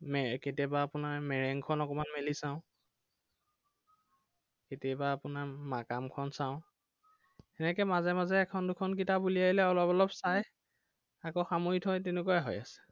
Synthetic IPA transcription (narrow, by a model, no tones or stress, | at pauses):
mɛketiabaːpʊnaɹmɛɹɛŋkʰɔnɔkɔmanmelisãʊ̃ | ketijabaːpʊnaɹmakamkʰɔnsãʊ̃ | ɛnɛkɛmazɛmazɛːkʰɔndukʰɔnkitabuliaɦilɛɔlɔbɔlɔpsaj | akoxamojitʰɔjtɛnʊkuaɦɔ̰jasɛ̥